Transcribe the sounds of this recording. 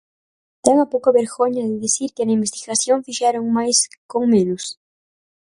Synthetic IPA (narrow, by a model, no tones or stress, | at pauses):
t̪eŋɐpowkɐβeɾɣoɲɐðɪðisiɾkɪnɐĩmbest̪iɣasjoŋfiʃeɾoŋmajskoŋmẽnʊs